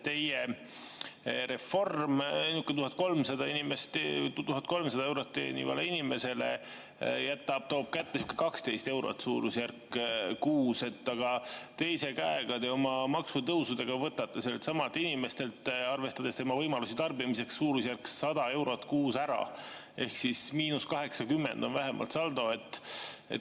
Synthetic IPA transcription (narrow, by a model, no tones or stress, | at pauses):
t̪e̞je | ɾe̞fo̞rmɑjnukːˑet̪uhɑt̪̚ko̞lmsɑd̪ɑinimest̪et̪uɦɑt̪̚ko̞lmsɑd̪ɑewɾot̪ːḛːnḭvɑ̰leinime̞se̞le̞̰ | jæt̪ːˑɑb̥̚t̪o̞ːb̥̚kæt̪ːesukːˑe̥kɑkst̪e̞jst̪e̞wɾo̞̰t̪ːsuːɾusjærkːkuːse̞t̪ːɑɡ̥ɑt̪e̞jse̞kæeɡ̥ɑd̪eo̞mɑmɑksut̪ɤwsud̪eɡ̥ɑvɤt̪ːɑt̪ːɑselet̪sɑmɑlt̪ːˑinime̞st̪e̞lt̪ɑrve̞st̪ɑd̪e̞st̪e̞mɑvɤjmɑlusit̪ɑrbimise̞ksːuːɾusjærksɑd̪̥ɑe̞wɾo̞t̪ːkuːsæɾɑ̰ | e̞hksismiːnuskɑɦe̞ksɑkymːe̞nd̪̥o̞nvæɦe̞mʔɑ̰lt̪sɑld̪o̞e̞t̪ːˑḛt̪